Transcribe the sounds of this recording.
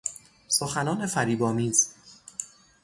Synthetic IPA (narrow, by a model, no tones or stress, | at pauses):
soxænɒːnefæɾiːbɒːmiːz